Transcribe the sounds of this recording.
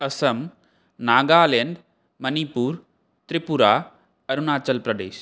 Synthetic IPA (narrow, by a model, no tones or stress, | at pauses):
ɐsɐm | naːɡaːleːnd̪ | mɐnipuːɾ | t̪ɾɪpuɾaː | ɐɾunaːt͡ʃɐlpɾɐd̪ḛːʃ